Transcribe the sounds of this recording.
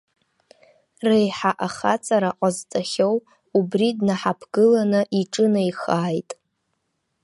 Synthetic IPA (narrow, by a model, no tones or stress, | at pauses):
rejħaʔaχat͡sʼaɾaqʷʼazt͡sʼaχʲow | ubridnaħapʰɡɨlanɨʔiʈ͡ʂʼɨnɨjχaːjtʼ